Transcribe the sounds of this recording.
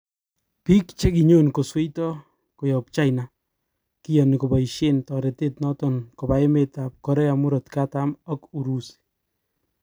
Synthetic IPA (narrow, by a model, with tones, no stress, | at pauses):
pi˦kt͡ʃe˦ki˨ɲo˦˨nko˨swe˦jtɔ˦ | ko˨jɔ˨p̚t͡ʃa˦jna˦ | ki˦jɔ˨nɪ˨ko˨ba˨iʃe˦ntɔ˨ɾe˨te˦t̚nɔ˦tɔ˨nko˨ba˨e˦me˨ta˨p̚kɔ˦ɾɛ˦a˨mʊ˦ɾɔ˨tka˦ta˦mɔ˦ku˨ɾu˦s